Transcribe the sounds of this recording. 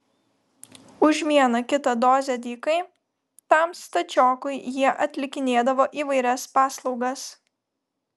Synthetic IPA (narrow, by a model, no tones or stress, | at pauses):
ʊʒʲmʲiɛnɐkʲɪt̪ɐd̪oːzʲɛd̪ʲiːkɐɪ | t̪ɐˑmst̪ɐd͡ʒʲɔːkʊɪjiɛʔɐt̪ʲlʲɪkʲɪnʲeːd̪ɐʋoːʔiːʋɐɪɾʲɛspɑːslˠɒʊɡɐs